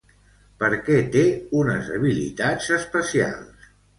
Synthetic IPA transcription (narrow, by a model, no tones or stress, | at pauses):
pəɾkɛt̪eunəzə̰β̞ilḭt̪ad͡zəspəsia̰lˠs